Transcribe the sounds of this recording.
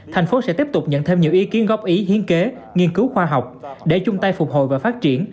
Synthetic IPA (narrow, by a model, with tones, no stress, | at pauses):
t̪ʰa˨˩ŋ̟fo˨˦sɛ̰˧˥t̪i˦˥əp̚t̪ʊ˨˩k͡p̚ɲə̰˧˨nt̪ʰe˧mɲi˨˩əwʔi˨˦ki˨˦ənɣɔ˦˥p̚ʔi˨˦ɦi˨˦ənke˨˦ | ŋi˧ənkɨ˨˦wxwaː˧ɦa˨˩wk͡p̚ɗe˧˩t͡ɕʊ˧ŋ͡mt̪a˧jfʊ˨˩k͡p̚ho̰˧˨jvaː˨˩faː˦˥t̚t͡ɕi˧˩ən